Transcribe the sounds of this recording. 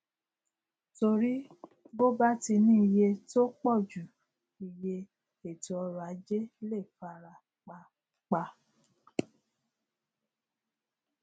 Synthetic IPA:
to˧ɾi˦ | ɡo˦ba˦ti˧nĩ˦i˧je˧to˦k͡pɔ˦˨d͡ʒu˨ | i˨je˧ | e˨ti˨ɔ˧ɾu˨a˨˦d͡ʒe˦le˦˨fa˧ɾa˨ | k͡pa˧ | k͡pa˧

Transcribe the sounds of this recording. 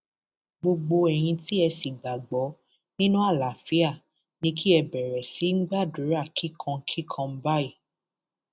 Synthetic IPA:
ɡ͡bo˧ɡ͡bo˧ɛ˨j̃ĩ˧ti˦ɛ˧si˨ɡ͡ba˨ɡ͡bɔ˨˦ | nĩ˦nũ˦a˦˨la˨fi˦a˦˨ | nĩ˧˦kʰi˦ɛ˧bɛ˨ɾɛ˨si˨˦ŋ̩˦ɡ͡ba˦˨du˨˦ɾa˦˨kʰi˦kʰã˧˦kʰi˦kʰã˧m̩˦ba˦i˦˨

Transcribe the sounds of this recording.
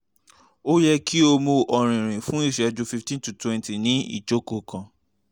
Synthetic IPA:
o˦jɛ˦˧kʰi˦o˧mo˧ʔɔ˨ɾ̃ĩ˨ɾ̃ĩ˨fũ˦i˦˨ʃɛ˨˧d͡ʒu˨˦fi˧ftĩ˦tu˨twɛ̃˧nti˨nĩ˨˦ḭ˦˨t͡ʃo˨˦ko˧˨kʰã˧

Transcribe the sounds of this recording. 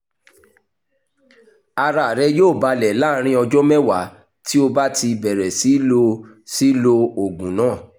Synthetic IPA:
a˧ɾa˨ɾɛ˧joː˦˨ba˧lɛ˨la˦ɾ̃ĩ˦ɔ˧d͡ʒɔ˦mɛ˦wa˨˦ | ti˦o˧ba˦ti˧bɛ˨ɾɛ˨si˨˦lo˧ | si˦lo˧o˨ɡũ˨nãː˦˨

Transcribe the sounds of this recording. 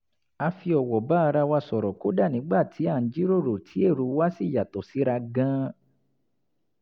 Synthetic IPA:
a˧fi˧ɔ˨wɔ˨ba˦˧ɾa˧wa˧sɔ˨ɾɔ˨ko˦da˦˨nĩ˨˦ɡ͡ba˦˨tʰi˨˦a˦˨˦d͡ʒi˦ɾo˦˨ɾo˨tʰi˨˦e˦˨ɾu˨˧˦wa˦si˦˨ja˨to˨si˨˦ɾa˧ɡã˦

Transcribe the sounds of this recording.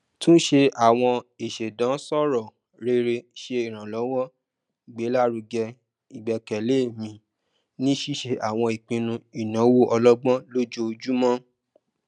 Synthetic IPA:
tũ˦n̩˦ʃe˧a˨w̃ɔ̃˧e˨ʃe˨dã˨˦sɔ˦˨ɾɔ˨ | ɾe˧ɾe˧ʃe˧i˨ɾ̃ã˨lɔ˨˦wɔ˦ | i˨ɡ͡be˨˦la˦˨ɾu˧ɡɛ˧ | i˨ɡ͡bɛ˨˧kɛ˨le˨˦e˦˨mĩ˧ | nĩ˦ʃi˦ʃe˧ʔa˨w̃ɔ̃˧i˨k͡pĩ˧nũ˧i˨nã˨˦wo˦ʔɔ˧lɔ˦ɡ͡bɔ̃˦lo˦d͡ʒo˦˧d͡ʒu˦mɔ̃˦

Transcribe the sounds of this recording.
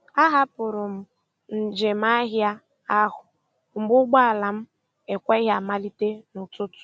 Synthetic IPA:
a˦ɦa˦pʊ˨ɾʊ˨m̩˨ | n̩˨d͡ʒe˨m̩˦a˦ɦja˦ | a˦ɦʊ˨ | ŋ͡m̩˨ɡ͡bʊ˦ɡ͡ba˦a˨la˨m̩˦ | e˨kʷe˦ɦa˨ma˦li˦te˦nʊ˨tʊ˦tʊ̥˨

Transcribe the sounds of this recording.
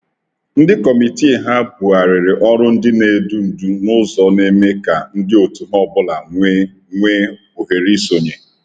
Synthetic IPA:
n̩˦dɪ˦kɔ˨mi˨ti˦e˨ɦa˦bu˨a˨ɾɪ˨ɾɪ˨ʔɔ˦ɾʊ˦n̩˦dɪ˦ne˨du˦n̩˨du˦nʊ˦zɔ˨ne˦me˦ka˨n̩˦dɪ˦o˨tu˨mɔ˦bʊ˦la˨ŋʷe˦ | ŋʷe˦ | o˨ɦe˨ɾi˦so˨ɲe˨

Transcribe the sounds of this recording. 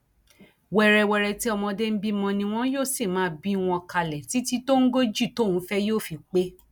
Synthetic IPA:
wɛ˧ɾɛ˧wɛ˧ɾɛ˧ti˦ɔ˧mɔ̃˧de˦m̩˦bi˦mɔ̃˧nĩ˧w̃ɔ̃˦joː˦˨se˦˨mãː˨˦bi˦w̃ɔ̃˧ka˧lɛ˨ti˨˦ti˦to˦ŋ̩˦ɡo˦d͡ʒi˦˨to˦˨ũ˨˦fɛ˦joː˦˨fi˧k͡pe˦

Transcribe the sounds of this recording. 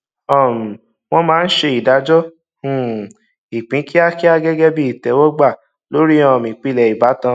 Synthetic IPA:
ɔ˨m̩˨ | w̃ɔ̃˦mãː˨˦n̩˦ʃe˧i˨da˨˦d͡ʒɔ˦ | hũ˨ | i˨k͡pĩ˨˦ki˦a˦ki˦a˧ɡɛ˦ɡɛ˦bi˦i˨tɛ˨˦wɔ˦ɡ͡ba˦˨ | lo˨˦ɾi˦ɔ̃˧˨mĩ˨k͡pi˨˦lɛ˧˨i˨ba˨˦tã˧

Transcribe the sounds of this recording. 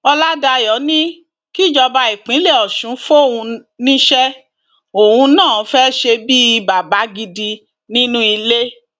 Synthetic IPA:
ɔ˧la˦da˧jɔ˨˦nĩ˦ | ki˦˨d͡ʒɔ˧ba˧i˨k͡pĩ˨˦le˦˨ɔ˨ʃũ˨˦fo˦˨wũ˧nĩ˦ʃɛ˦ | o˨wũ˧nãː˦˨˦fɛ˦ʃe˧bi˦i˧ba˨ba˨˦ɡi˧di˧ | nĩ˦nũ˦i˧le˦

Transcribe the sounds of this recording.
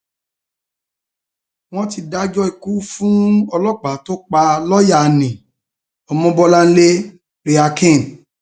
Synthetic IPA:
w̃ɔ̃˦ti˧da˦d͡ʒɔ˦i˧ku˦fũ˦ɔ˧lɔ˦k͡pa˨˦to˦k͡pa˧lɔ˦ja˦˨˧nĩ˨ | ɔ˨˧mɔ̃˦bɔ˦la˦n̩˦le˦ | ɾe˧a˧kʰĩ˦˨n

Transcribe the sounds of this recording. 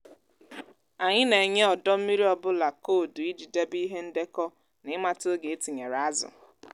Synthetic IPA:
a˨ɲɪ˦ne˨ɲe˦ɔ˨dɔ˦m̩˦mi˦ɾi˦ɔ˦bʊ˦la˨ko˦˨dʊ˨i˦d͡ʒi˨de˦bi˦ɦe˦n̩˦de˦kɔ˦ | nɪ˦ma˦to˦ɡe˨e˦ti˨ɲe˨ɾa˦zʊ̰˨

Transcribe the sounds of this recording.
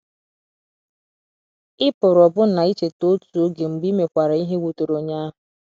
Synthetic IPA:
ɪ˦pʊ˨ɾɔ˨bʊ˦na˨i˦t͡ʃe˨to˦tu˨o˦ɡe˨m̩˨ɡ͡bi˦me˨kʷa˨ɾa˨˦i˦ɦe˦wo˨to˨ɾo˨ɲa˦ɦʊ˨

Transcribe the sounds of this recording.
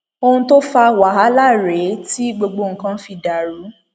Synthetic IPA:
o˧nũ˧to˦fa˧wa˨ɦa˨˦la˦˨ɾe˨˦ti˦ɡ͡bo˧ɡ͡bo˧ŋ̩˨kã˧˦fi˧da˨ɾu˨˦

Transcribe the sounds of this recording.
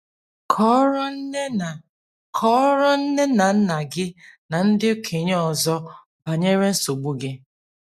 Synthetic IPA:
kʰɔ˦ɾɔ˦˨ | kʰɔ˦ɾɔ˦n̩˦ne˦na˨n̩˦na˨ɡɪ˦na˨n̩˦dɪ˦o˦kʰe˨ɲ˦ɔ˨zɔ˦ | ba˨ɲe˦ɾe˦n̩˦so˨ɡ͡bu˦ɡe˦

